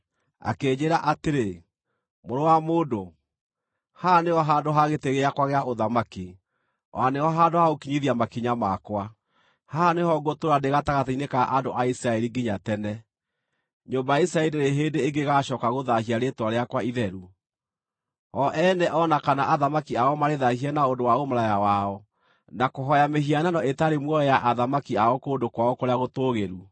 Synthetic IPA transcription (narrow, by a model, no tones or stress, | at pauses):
a̰keːɲeɾaʔateɾe | moɾowamoːdo | haneɔɦaːndoɦaɣeteɣeakwaɣeaʔoðamaki | waneɔɦandohaokiɲiðiamakiɲamakwa | haneɦɔɡotoɾandeɣataɣataineka̰ʔandoʔaisɾaɛɾiɡiɲatɛnɛ | ɲombajaisɾaɛieɾeɦeːndeːŋɡeɣaɕɔkaɣoðahiaɾetwaɾeakwaiðɛɾu | ɔʔɛnɛʔɔnakanaʔaðamakiaɔmaɾeðahianaondowaomaɾajawaɔ | nakoɦɔjameɦiananɔetaɾemwɔɔjaʔaðamakiaɔkoːndokwaɔkoɾeaɣotoɣeɾu